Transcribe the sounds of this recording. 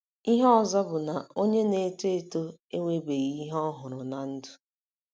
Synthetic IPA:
i˦ɦɔ˦ɔ˨zɔ˦bʊ˨na˨o˦ɲe˦ne˨te˦to˦e˦ŋʷe˦be˨ɣi˦ɦɔ˦ɦʊ˨ɾʊ˨na˨n̩˦dʊ˨

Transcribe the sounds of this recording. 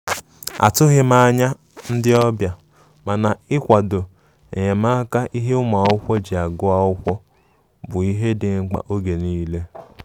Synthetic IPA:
a̰˨tʊ˦ɣɪ˦ma˦ɲa˦ | n̩˦dɪ˦ɔ˦bja˨ | ma˨na˨ɪ˦kʷa˨do˨ | e˨ɲe˨ma˦ka˦ʔi˦ɦe˦ʊ˦ma˨˦ʊ˦kʷɔ˦d͡ʒi˨a˨ɡʊ˦a˦ʊ˦kʷɔ˦ | bʊ˨i˦ɦe˦dɪ˨ŋ̩˦k͡pa̰˨ʔo˦ɡe˨niː˦le˦

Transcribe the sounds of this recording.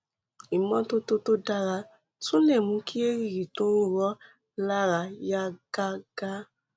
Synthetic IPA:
i˨mɔ̃˨˦to˦to˦to˦da˧ɾa˧ | sũ˦nɛ̃˦˨mũ˨˧˦ki˦e˦ɾi˦˨ɾi˨to˦ɾu˦˨ɾɔ˦ | la˦ɾa˧ja˦ɡ̥a˦ɡ̥a˦

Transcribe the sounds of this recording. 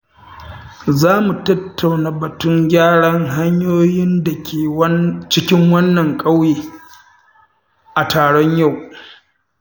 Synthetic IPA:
zaː˦mu˨tɐ˦tʰːa˨wnaː˨bɐ˨tʊ˦ŋɡʲaː˦ɽɐ˦ŋɦa˦ɲjoː˦jɪ˦nda˨kʲʰeː˨˦t͡ʃɪ˦kʲɪ˦ŋwɐ˦nːɐ˨ŋkʼɐ˦wjeː˨ | ʔa˨taː˨ɽɔ˦ɲja˦˨w

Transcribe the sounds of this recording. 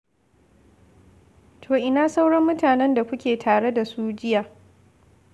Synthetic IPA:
tʰoː˨ʔɪ˦naː˨sa˦wɽɐ˦mːʊ˦taː˨nɛ˦nda˨kʷʊ˦kʲeː˨tʰaː˨ɽe˦da˨suː˦d͡ʒɪ˦jaː˨

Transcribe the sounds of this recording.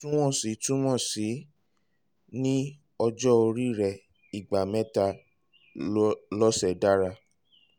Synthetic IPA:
tũ˦w̃ɔ̃˦˨si˨˦tũ˦w̃ɔ̃˦˨si˨˦ | nĩ˦ | ɔ˧d͡ʒɔ˦o˧ɾi˦˨ɾɛ˨ | i˨ɡ͡ba˨mɛ̃˦ta˧ | lɔ˦sɛ˨da˦ɾa˧

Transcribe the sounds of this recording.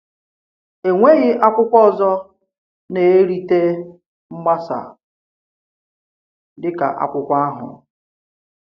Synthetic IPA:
e˨ŋʷe˦ɣɪ˦ʔa˦kʷʊ˦kʷɔ˦˨zɔ˦ | ne˨e˦ɾi˦te˦ | m̩˦ma˦sa̰˨ | dɪ˦ka̰˨ʔa̰˦˨kʷʊ˦kʷa˦ɦʊ̰˨

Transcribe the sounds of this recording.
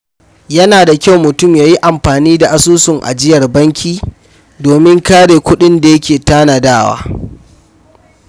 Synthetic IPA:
jɐ˦naː˨da˨kʲa˦wmʊ˨tʊ˦˨mjaː˨ji˦ʔa˨mɸaː˨niː˦da˨ʔa˨suː˦sʊ˨ŋʔa̰˨d͡ʒɪ˦jɐ˨rbɐ˦ŋkʲiː˦ | doː˨mɪ˦ŋkaː˦ɽeː˨kʷʊ˦ɗɪ˦nda˨jɐ˦kʲeː˨taː˦na˨daː˦˨wa̰ː˦

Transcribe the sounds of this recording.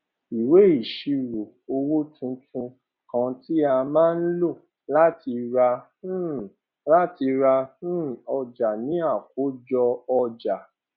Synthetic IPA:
i˨we˨˦i˨ʃi˧ɾo˨ | o˧wo˦tũ˧tʰũ˧ | kã˧ti˦a˧mãː˦n̩˦lo˦˨ | la˦ti˧ɾã˧˦ | la˦ti˧ɾã˧˦ɔ˧d͡ʒa˨nĩ˨˦a˦˨ko˨˦d͡ʒɔ˧ɔ˧d͡ʒa˨

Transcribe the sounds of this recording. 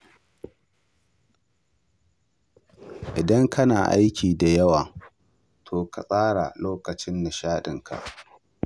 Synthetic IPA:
ʔɪ˨dɐ˦ŋkʰɐ˦naː˨ʔa˦jkʲʰiː˨da˨jɐ˦waː˨ | tʰoː˨ka˨sʼaː˦ɽa̰˨loː˦kɐ˨t͡ʃɪ˦nːa˨ʃaː˦ɗɪ˨ŋkʰa̰˨ʔ

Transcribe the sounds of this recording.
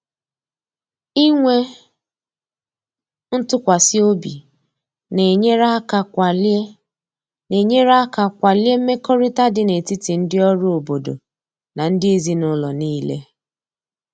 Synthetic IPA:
i˦ŋʷe˦ | n̩˦tʊ˦kʷa˨sɪ˦o˦bḭ˨ | ne˨ɲe˦ɾa˦ka˨ka˨l | ne˨ɲe˦ɾa˦ka˨kʷa˨lje˦m̩˦me˦kɔ˦ɾɪ˦ta˦dɪ˦ne˨ti˦ti˨n̩˦dɪ˦ɔ˦ɾʊ˦o˨bo˨do̰˨ | na˨n̩˦dɪ˦e˦zi˦nʊ˦lɔ˨niː˦lḛ˦

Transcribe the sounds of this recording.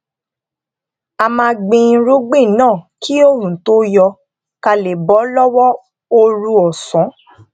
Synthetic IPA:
a˧mãː˧ɡ͡bẽ˧˦ɾu˦ɡ͡be˦˨nãː˦˨kʰi˦o˦ɾũ˨to˦jɔ˧ | ka˧le˨bɔ˨˦lɔ˦wɔ˦ | o˧ɾũ˧ɔ˨sɔ̃˨˦

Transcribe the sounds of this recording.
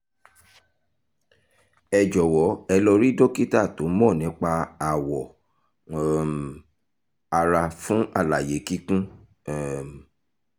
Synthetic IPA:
ɛ˧d͡ʒɔ˨wɔ˨˦ɛ˧lɔ˧ɾi˦do˦ki˦ta˦˨to˨˦mɔ̃˦˨nĩ˨˦k͡pa˧a˨wɔ˨ | a˧ɾa˧fũ˦a˦˨la˨je˨˦ki˦kũ˦

